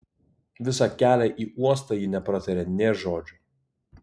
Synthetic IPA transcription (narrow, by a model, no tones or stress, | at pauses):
ʋʲɪsɐkʲæːlʲɛʔiːuɔs̬t̪ɐjinʲɛpɾɐt̪ʲɐɾʲɛnʲeːʒoːd͡ʒʲʊ